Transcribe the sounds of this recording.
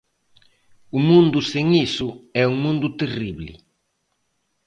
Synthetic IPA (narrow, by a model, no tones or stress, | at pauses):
ʊmũnd̪ʊseŋisʊɛuŋmũnd̪ʊt̪eriβlɪ̰